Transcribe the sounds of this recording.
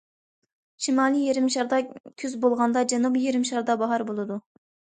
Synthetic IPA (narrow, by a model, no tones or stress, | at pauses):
ʃimɑːlˠijeɾɪmʃɑɾd̪ɑkʲʰyzbolˠʁɑnd̪ɑd͡ʒɑnubjeɾɪmʃɑɾd̪ɑbɑɦɑɾbolˠɨd̪u